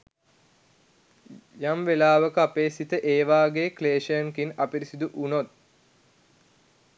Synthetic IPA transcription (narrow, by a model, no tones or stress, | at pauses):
jamʋelaːʋəkəapeːsit̪əʔeːʋaːɡeːkleːʃəjəŋkinɐpiɾisid̪uʔunot̪̚